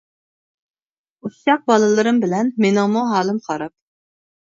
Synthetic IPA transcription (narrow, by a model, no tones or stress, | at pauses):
usʃɑq̚bɑlˠɨlˠɨɾɨmbɪlɛnmenɪŋmuɦɑːlˠɨmqʰɑɾɑp̚